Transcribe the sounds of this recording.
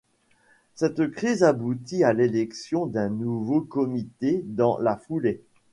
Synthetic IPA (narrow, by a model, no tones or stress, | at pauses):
sɛt̪kχizabut̪ialelɛksjɔ̃d̪ɛ̃nuvokɔmit̪ed̪ɑ̃lafule